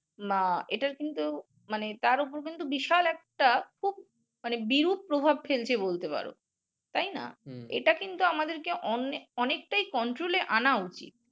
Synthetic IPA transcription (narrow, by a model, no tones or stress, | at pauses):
maeʈaɾkint̪u | manet̪aɾup̬oɾk̬int̪ubiʃalɛk̚ʈakʰub̚ | manebiɾub̚pɾobʱabfelt͡ɕʰebolt̪epa̰ɾo̰ | t̪ajna̰ḛʈakint̪uamad̪eɾkeʔɔneɔnek̚ʈajkɔɳʈɾoleʔanaut͡ɕḭt̪̚